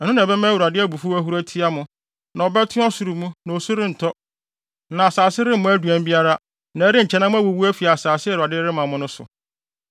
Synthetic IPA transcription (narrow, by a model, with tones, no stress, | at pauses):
ɛ˨ʊ̃˦nã˨bɛ˦mã˦wu˨ɾa˨dɪ˦æ˦bu˨fu˦æ˦ɦu˦ɾæ˦tʰi˦a˦mʊ̃˨ | nã˨ɔ˨bɛ˦tʰɪ̃˦ɔ˦su˨ɾu˨mũ˦nã˨o˨su˦ɾɪ̃˦n̩˨tʰɔ˦ | nã˨a˨saː˨sɪ˦ɾɪ̃˦mʊ̃˦æ˦du˨æ̃˦m˦bi˦a˦ɾa˦ | nã˨˦ɾɪ˦ɲ̩˨t͡ɕʰɛ˦nã˦mʊ̃˦æ˦wo˨wu˦æ˦fi˨a˨saː˨sɪ˦˨u˨a˨dɪ˦ɾɪ˦mã˨mʊ̃˦nʊ̃˦sʊ̰˨